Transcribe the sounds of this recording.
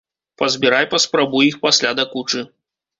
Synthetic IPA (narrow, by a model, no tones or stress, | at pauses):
pɐzʲbʲiɾajpɐspɾabujixpasʲlʲad̪akut͡ʂɨ